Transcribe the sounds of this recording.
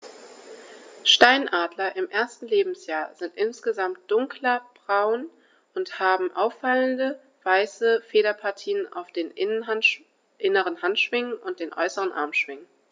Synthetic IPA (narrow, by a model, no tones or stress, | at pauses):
ʃtaɪnʔaːdlɐʔɪmʔeːɐstn̩leːbm̩sjaːɐzɪntʔɪnsɡ̥əzamt̚d̥ʊŋkʰlɐb̥ʁaʊn | ʔʊnthaːbm̩ʔaʊfːaləndə | v̥aɪsəfeːɾɐpʰaɐtʰiːənʔa̰ʊfd̥eːn | ʔɪnəʁənhantʃv̥ɪŋənʊnt̚d̥eːnʔɔ̰ʏsəʁənʔa̰ɐmʃv̥ɪŋən